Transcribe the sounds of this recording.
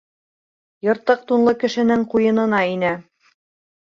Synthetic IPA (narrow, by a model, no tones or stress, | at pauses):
jŏɾt̪ɤq̚t̪unlˠɤkɘ̆ʃɘ̆nɘŋqujɤ̆nɤ̆nɑinæ